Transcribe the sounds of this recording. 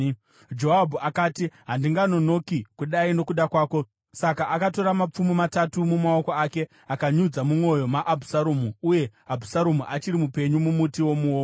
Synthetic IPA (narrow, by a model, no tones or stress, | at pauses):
d͡ʒo̞ɦabʱuakaːtiɦandiŋɡano̞no̞kikuɗaino̞kuɗakwaːko̞ | sakaʔakato̞ɾamap͡fumimatatumumao̞ko̞ake̞ | akaɲud͡zamumo̞jo̞maʔːbʱusaɾomuuje̞abʱusaɾomuʔat͡ʃiɾimupe̞ɲumumutiwo̞muwoː